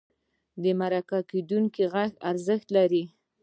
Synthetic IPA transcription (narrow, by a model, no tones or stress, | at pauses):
d̪əmaɾakaked̪uŋkiɣaxaɾzəxt̪laɾi